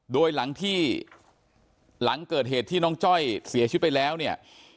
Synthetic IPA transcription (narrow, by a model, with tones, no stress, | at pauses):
doː˧jla˩˦ŋt̪ʰiː˥˩ | la˩˦ŋkɤː˨˩t̪̚heː˨˩t̪ʰːiː˥˩nɔː˦˥ŋt͡ɕɔ˥˩jsi˨˩˦t͡ɕ̪̚ʰpa˧jlɛː˦˥wni˥˩ɐ